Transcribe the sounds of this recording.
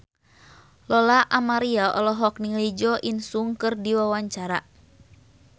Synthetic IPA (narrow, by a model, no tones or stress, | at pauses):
lɔlaʔamaɾiaʔɔlɔɦɔk̚niŋlid͡ʒɔʔinsuŋkɨrdiwawaɲt͡ʃaɾa